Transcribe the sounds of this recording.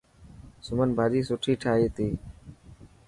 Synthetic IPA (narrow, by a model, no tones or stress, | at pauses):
sʊmənbʱaːd͡ʒiːsʊʈʰiːʈʰaːeːt̪iː